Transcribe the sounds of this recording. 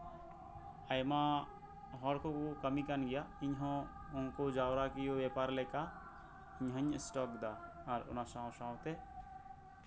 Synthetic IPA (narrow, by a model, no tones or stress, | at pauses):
əjmã | ɦɔɽkʰokukəmikanɡijaɪɲɦɔ̃ | ʊnkod͡ʒawɾakijoʋɛpaɾlɛka | ɪɲɦɔ̃ɲɪsʈɔkd̪aː | ɾʊ̰nasãwsãwt̪e